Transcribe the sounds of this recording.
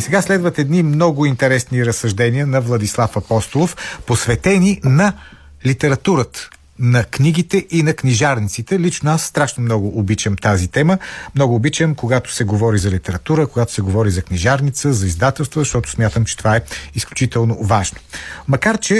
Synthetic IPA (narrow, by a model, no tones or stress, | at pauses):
isɛɡaslɛd̪vət̪ɛd̪nimnɔɡʊint̪ɛɾɛsniɾəsːɐʒd̪ɛniənɐvlˠɐd̪islˠafɐpɔst̪olˠofposvɛt̪ɛninɐ | lit̪ɛɾɐt̪uɾət̪ə̥ | nɐkniɡit̪ɛʔinɐkniʒaɾnʲit̪sit̪ɛlit͡ʃnoasːt̪ɾaʃnomnɔɡʊʔːbit͡ʃəmt̪azit̪ɛməmnɔɡʊːbit͡ʃəmkoɡat̪ʊ̥sɛɡovɔɾizɐlit̪ɛɾɐt̪uɾəkoɡat̪ʊ̥sɛɡovɔɾizɐknʲiʒaɾnit̪səzɐizd̪at̪ɛlˠst̪vəzɐʃt̪ɔt̪ʊ̥smʲjat̪əmt͡ʃɛ̥t̪ovaɛisklʲut͡ʃit̪ɛlˠnovaʒno̥mɐkaɾt͡ʃɛ